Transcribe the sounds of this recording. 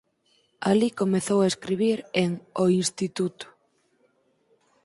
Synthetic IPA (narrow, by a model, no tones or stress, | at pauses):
alikomeθowaeskɾiβ̞iɾeŋoinst̪it̪ut̪ʊ̥